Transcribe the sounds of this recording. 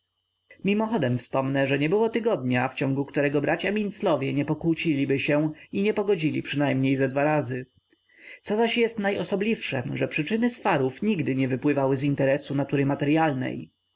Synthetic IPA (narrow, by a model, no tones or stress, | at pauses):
mʲimɔxɔd̪ɛmfspɔmnɛʐɛɲɛbɘwɔt̪ɘɡɔd̪̚ɲaft͡ɕɔŋɡukt̪uɾɛɡɔbɾʔat͡ɕamʲint̪slɔvʲjɛɲɛpɔkwut͡ɕilʲibɘɕɛiɲɛpɔɡɔd͡ʑilʲipʂɘnajmɲejzad̪vaɾazɘ | t̪sɔzaɕjɛst̪najɔsɔblʲifʂɛ̰mʐɛpʂɘt͡ʂɘnɘsfaɾufɲiɡd̪ɘɲɛvɘpwɘvawɘzint̪ɛɾɛsunat̪uɾɘmat̪ɛɾjalnɛ̰j